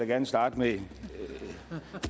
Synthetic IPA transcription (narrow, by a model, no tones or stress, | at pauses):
jaɡæɐnəsd̥ɑ̈ːd̥əme